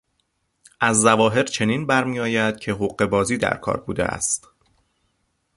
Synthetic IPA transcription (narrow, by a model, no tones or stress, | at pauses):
ʔæzːævɒːɦe̞ɾt͡ʃʰe̞niːnbæɾmiːɒːjæd̪̥̚cʰe̞ɦoɢe̞bɒːziːd̪æ̰ɾkʰɒ̰ːɾbuːd̪ḛʔæ̰st̪